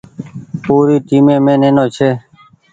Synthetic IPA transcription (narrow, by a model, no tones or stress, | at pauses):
puːɾiːʈiːmẽːmẽːneːnõːt͡ʃʰeː